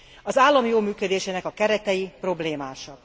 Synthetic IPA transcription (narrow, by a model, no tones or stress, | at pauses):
ɒzaːlːɒmjoːmyːkød̪eːʃeːnɛkɒkɛɾɛt̪ɛjipro̞bleːmaːʃɒ